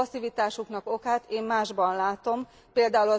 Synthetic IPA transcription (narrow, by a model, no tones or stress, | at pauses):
ɒsivit̪aːʃuknɒko̞kaːt̪eːmːaːʒbɒnlaːt̪o̞m | peːld̪aːulɒ